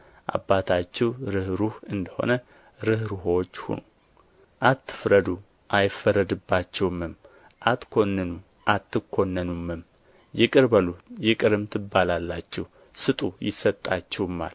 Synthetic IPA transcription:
ʔa̰bːat̪ʰat͡ʃːɛwɾɨhɾuhɨnd̪əho̞̰nə | ɾɨhɾuɦot͡ʃːhṵno | ʔat̪ʰːɨ̥fɾəd̪u | ʔajfəɾəd̪ɨbːat͡ʃːɛwmɨm | ʔat̪kʰo̞nːənu | ʔat̪ʰːɨkʰːo̞nːənumːɨm | jɛkʼɨɾbəlujɛkʼɨɾɨmt̪ʰɨbːalalːat͡ʃːɛw | sɨt̪ʼujɪsət̪ʼːat͡ʃːɛwmːa̰l

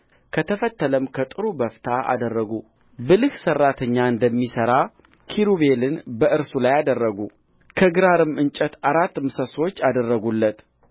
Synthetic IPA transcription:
kʰət̪ʰəfət̪ʰːələmkʰət̪ʼɨɾubəft̪ʰaʔa̰d̪ərːəɡu | bɨlɨhsərːat̪ʰəɲːaɨnd̪əmːisəɾa | kʰiɾuβe̞lɨnbəʔɨɾsulajad̪ərːəɡu | kʰəɡɾaɾɨmɨnt͡ʃʼət̪aɾat̪ːɨmsəso̞t͡ʃːad̪ərːəɡulːət̪

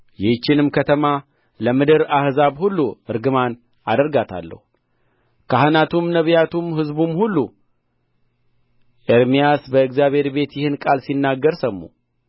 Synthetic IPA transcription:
jɛt͡ʃːɪnɨmkʰət̪ʰəma | ləmɨd̪ɨɾahzaβhulːuɨɾɡɨman | ad̪əɾɡat̪ʰa̰lːə̰hu | kʰaɦɨnat̪ʰumnəβjat̪ʰumhɨzbumhulːu | ʔeɾmijasbəɨkzjaβhe̞ɾbe̞t̪jɪhɨnkʼalsinːaɡːəɾsəmːṵ

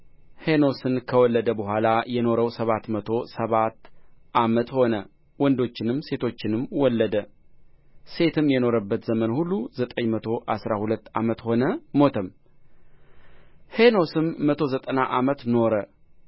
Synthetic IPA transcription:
heno̞sɨnkʰəwɔlːəd̪əbəɦʷalajɛno̞ɾəwsəβat̪mət̪ʰo̞səβat̪ːʔamət̪ho̞nə | wɔnd̪o̞t͡ʃːɪnɨmːse̞t̪ʰo̞t͡ʃːɪnɨmwɔlːəd̪ə | se̞t̪ʰɨmjɛno̞ɾəbːət̪zəmənhulːuzət̪ʼəɲmət̪ʰo̞ʔasɾahulət̪ːa̰mət̪ho̞nəmo̞t̪ʰəm | heno̞sɨmːət̪ʰo̞zət̪ʼənaʔamət̪no̞ɾə

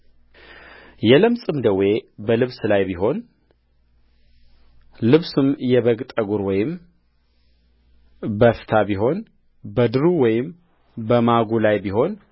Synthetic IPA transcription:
jɛləmsʼɨmd̪əwe̞bəlɨβslajbiɦo̞n | lɨβsɨmjɛβəɡt̪ʼəɡuɾwɔjɪm | bəft̪ʰabiɦo̞n | bəd̪ɨɾuwɔjɪm | bəmaɡulajbiɦo̞n

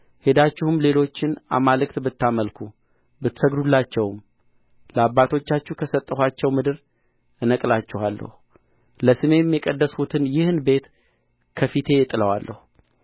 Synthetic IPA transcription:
hed̪at͡ʃːɪhɨmle̞lo̞t͡ʃːɪnʔa̰malɨkt̪bɨt̪ʰːaməlkʰu | bɨt̪səɡd̪ulːat͡ʃːɛwm | ləabːat̪ʰo̞t͡ʃːat͡ʃːuhkʰəsət̪ʼːəhat͡ʃːɛwmɨd̪ɨɾ | ɨnəkʼlat͡ʃːɪhalːə̰hu | ləsɨme̞mjɛkʼəd̪ːəsut̪ʰɨnjɪhɨnbe̞t̪ | kʰəfit̪ʰe̞jɪt̪ʼːɨləwa̰lːə̰hu

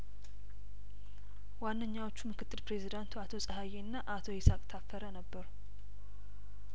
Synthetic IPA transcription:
wanːəɲːawo̞t͡ʃːumɨkʰɨt̪ːɨlpɾe̞zid̪ant̪ʰuat̪ʰo̞sʼəɦaje̞nːaʔat̪ʰo̞jesakʼt̪ʰafːəɾənəbːəɾu

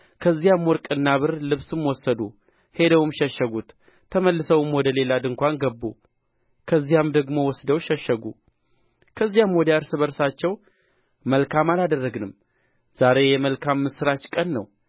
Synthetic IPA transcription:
kʰəzːijamwɔɾkʼɨnːaβɨɾlɨβsɨmwɔsːəd̪u | he̞d̪əwɨmʃɛʃːəɡut̪ʰː | əməlːɨsəwɨmwɔd̪əle̞lad̪ɨŋkʷanɡəbːu | kʰəzːijamd̪əɡmo̞wɔsd̪əwʃɛʃːəɡu | kʰəzːijamwɔd̪əaɾsɨβəɾsat͡ʃːɛw | məlkʰamalad̪ərːəɡnɨm | z̥aɾe̞jɛməlkʰamːɨsɨɾat͡ʃkʼənːə̰w

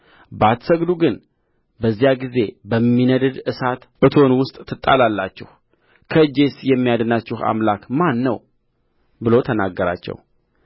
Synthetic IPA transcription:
bəat̪səɡd̪uɡɨn | bəzːijaɡize̞bəmːinəd̪əd̪ɨsat̪ʔɨt̪ʰo̞nwʊst̪ʼt̪ʰːɨt̪ʼːa̰lalːat͡ʃːɛ̰h | kʰəd͡ʒe̞sjɛmːijad̪ənat͡ʃːɪha̰mlakmanːə̰w | bɨlo̞t̪ʰənaɡːəɾa̰t͡ʃːɛ̰w

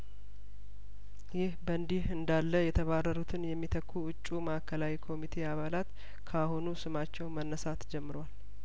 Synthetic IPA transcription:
jɪhbənd̪ihɨnd̪alːəjɛt̪ʰəβarːəɾut̪ʰɨnjɛmːit̪ʰəkʰːuʊt͡ʃʼːuməakʰːəlawikʰo̞mit̪ʰe̞aβalat̪ | kʰahonusɨmat͡ʃːɛwmənːəsat̪d͡ʒɛmːɨɾwal

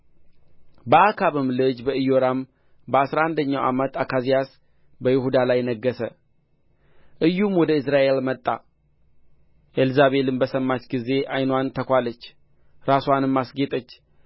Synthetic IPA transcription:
bəakʰaβɨmlɨd͡ʒbəɨjoɾam | bəasɾaand̪əɲːawʔa̰mət̪akʰazijas | bəjɪɦud̪alajnəɡːəsə | ʔɨjːumwɔd̪əɨsɾaʔe̞lmət̪ʼːa̰ | ʔelzaβe̞lɨnbəsəmːat͡ʃɡize̞ʔajnwant̪ʰəkʷalət͡ʃː | ɾaswanɨmːasɡet̪ʼət͡ʃː

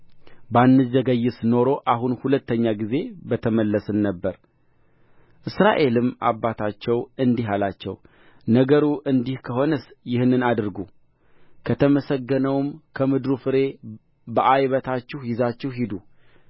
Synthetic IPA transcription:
banːɨzəɡəjːɪsno̞ɾo̞ʔaɦunhulət̪ʰːəɲːaɡize̞bət̪ʰəməlːəsɨnːəbːəɾ | ʔɨsɾaʔe̞lɨma̰bːat̪ʰat͡ʃːɛwɨnd̪iɦalat͡ʃːɛ̰w | nəɡəɾuʔɨnd̪ihkʰəɦo̞nəsjɪhnːɨnad̪ɨɾɡu | kʰət̪ʰəməsəɡːənəwmkʰəmɨd̪ɾufɨɾe̞ | bəʔajβət̪ʰat͡ʃːɪhjɪzat͡ʃːɪhɦid̪u

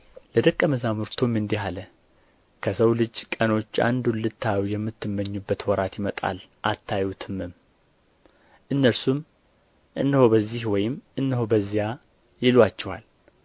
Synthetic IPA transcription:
ləd̪əkʼːəməzamuɾt̪ʰumɨnd̪ihalə | kʰəsəwlɨd͡ʒkʼəno̞t͡ʃːa̰nd̪unlɨt̪ʰːawjɛmːɨt̪ːɨmːəɲːubːət̪wɔɾat̪jɪmət̪ʼa̰lʔat̪ʰːajut̪ʰɨmɨm | ʔɨnːəlsum | ʔɨnːəhobəzːihwɔjɪmʔɨnːəhobəzːija | jɪlwat͡ʃːɛwa̰l

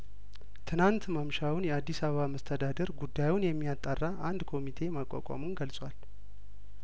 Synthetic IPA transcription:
t̪ʰɨnant̪məmʃawunjɛad̪ːisaβəβaməst̪ʰəd̪ad̪əɾɡud̪ːajunjɛmːijat̪ʼːarːaʔand̪kʰo̞mit̪ʰe̞makʼːa̰kʷʼa̰munɡəlsʼwal

